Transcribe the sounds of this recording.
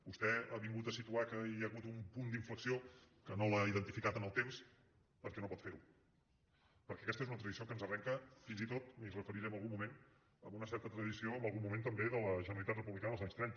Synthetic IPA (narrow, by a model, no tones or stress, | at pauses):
bust̪ɛaβiŋɡut̪əsit̪uakəjəɣut̪umpund̪iɱfləksiokənolaiðənt̪ifikat̪ənəlˠt̪ems | pəɾkɛnopɔt̪feɾu | pəɾkɛəkɛst̪əezunət̪ɾəðisiokənzərɛŋkəfinzit̪ot̪mizrəfəɾiɾɛəmbəlˠɣumːumen | əmbunəsɛɾt̪ət̪ɾəðisioəmbəlˠɣumument̪əmbeðələʒənəlit̪at̪rəpuβlikanəðəlzaɲst̪ɾɛɲ